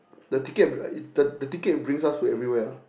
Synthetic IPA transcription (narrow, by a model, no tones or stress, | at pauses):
dətikɛt̚dədətiket̚bɹĩŋsastuɛvɹiwɛ